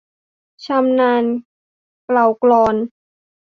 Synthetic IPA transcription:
t͡ɕʰa˧mnaː˧n | kla˨˩wklɔː˧n

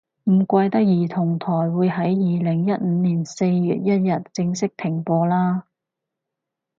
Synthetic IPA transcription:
m̩˨˩kʷɐ˧jt̪ɐ˥k̚jiː˨˩t̪ʰʊ˨˩ŋt̪ʰɔː˨˩jwuː˨˧jɦɐ˨˥jjiː˨˧lɪ˨˩ŋjɐ˥t̚m̩ː˨˧niː˨˩nse˧jːy̰ː˨t̚jɐ˥t̚jɐ˨t̚t͡sɪ˧ŋsɪ˥k̚t̪ʰɪ˨˩ŋpɔː˧laː˥

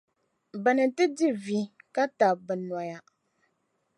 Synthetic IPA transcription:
bɨ˨nɨ˨tɨ˦di˦vi˦ka˦ta˨bɨ˨na˨ja˦

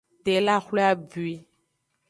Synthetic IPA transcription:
t̪e˨˦la˦xle˦a˦bɥi˦

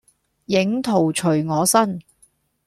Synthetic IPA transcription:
jɪ˨˥ŋt̪ʰo˨˩wt͡ʃʰɵ˨˩ɥŋɔː˨˧sɐ˥n

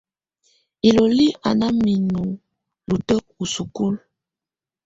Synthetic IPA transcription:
i˨lo˨li˦ʔa̰˨na˦mi˨nu˨ | lu˨tɔ˦u˨su˨ku˦l

